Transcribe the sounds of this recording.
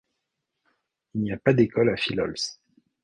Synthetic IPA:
ilniapad̪ekɔlafilɔ̰ls

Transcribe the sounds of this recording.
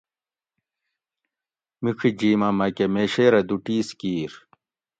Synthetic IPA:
mikʰid͡ʑiːmɐmɐkemeːɕeɾɐd̪uʈiːskiːɾ

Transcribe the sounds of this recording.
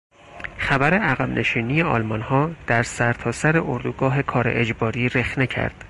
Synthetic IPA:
xæbæɾe̞æɣæbnʔe̞ʃiːniːje̞ɒ̰ːlmɒnhɒːd̪̥æɾsæɾt̪ʰɒːsæɾe̞ʔoɾd̪uɡɒːɦe̞kʰɒːɾḛʔed͡ʒbɒːɾiːɾe̞xne̞cʰæ̰ɾd̪̥

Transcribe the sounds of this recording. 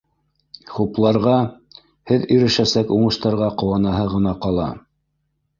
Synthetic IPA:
χuplˠɑɾʁɑ | hɘðiɾɘ̆ʃæsækuɴɤ̆ʃt̪ɑɾʁɑqŏwɑnɑɦɤʁɤ̆nɑqɑlˠɑ̰

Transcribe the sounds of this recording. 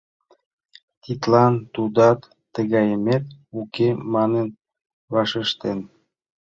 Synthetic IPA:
t̪it̪lɑnt̪ud̪ɑt̪ːəɣɑjəmet̪ukemɑnən | βɑʃəʃt̪en

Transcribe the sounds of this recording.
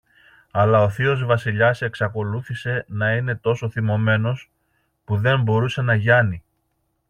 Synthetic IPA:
ɐlɐo̞θio̞zvɐsiʎɐse̞ksɐko̞luθise̞nɐine̞t̪o̞so̞θimo̞me̞no̞s | puðe̞mbo̞ɾuse̞nɐʝɐni

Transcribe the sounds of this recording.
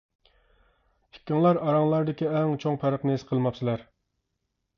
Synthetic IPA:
i̥kʲːɪŋlˠɑɾɑɾɑŋlˠɑɾd̪ɪkʲiɛŋt͡ʃʰoŋpʰæɾəqnɪesqʰəlˠmɑpsɪlæɾ

